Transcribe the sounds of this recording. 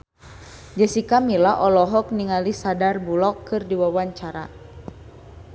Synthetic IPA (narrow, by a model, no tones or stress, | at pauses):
d͡ʒəsikamilaʔɔlɔɦɔk̚niŋalisadarbulɔkːɨrdiwawaɲt͡ʃaɾa̰